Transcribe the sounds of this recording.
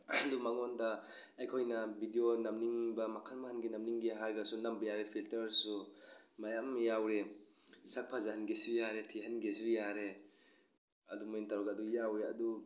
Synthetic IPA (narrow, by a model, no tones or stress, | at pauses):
dumaŋɔnda | ajkʰojnabʱidionamniŋbamakʰalmahanɡinamniŋɡiɦaɾɡasunambajaɾepʰiltɐɾsumajamjawɾe | sak̚pʰazahanɡesujaɾetʰiɦanɡesijaɾe | ɐdumojintaɾɔɡadujawɾea̰du